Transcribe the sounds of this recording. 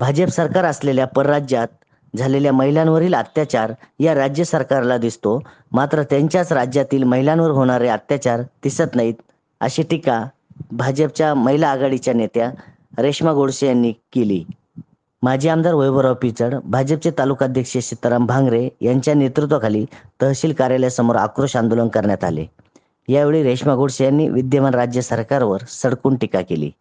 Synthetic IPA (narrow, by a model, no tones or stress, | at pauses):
bʱad͡ʑəpsəɾkaɾəsleljapəɾːad͡ʑjat̪̚ | d͡zʱaleljaməɦilãnʋəɾiːlat̪jat͡ɕaɾjaɾad͡ʑjəsəɾkaɾlad̪ist̪o | mat̪ɾət̪jãɲt͡ɕjat͡sɾad͡ʑjat̪iːlməɦilãnʋəɾɦoɽ̃aɾeat̪jat͡ɕaɾt̪isət̪nait̪ | ə̰ɕiʈika | bʱad͡ʑəp̚t͡ɕjaməɦilaːɡaɽit͡ɕjanet̪ja | ɾeʂmaɡoɽɕəjanːiːkeliː | mad͡ʑʱiːamd̪ʱaɾʋojʋəɾawpit͡səɽbʱad͡ʑəp̚t͡set̪alukad̪ʱjəkʂeɕit̪ɾambʱaŋɡɾejaɲt͡ɕjanet̪ɾut̪ʋəkʰaliːt̪əɦɕiːlkaɾjaljasəmoɾa̰kɾoɕand̪olənkəɾɳjat̪a̰lḛ | jaeʋɭiːɾeʂmaɡʱoɽɕəjanːḭʋid̪jəmanɾad͡ʑjəsəɾkaɾʋəɾsəɽkuːɳʈikakelḭː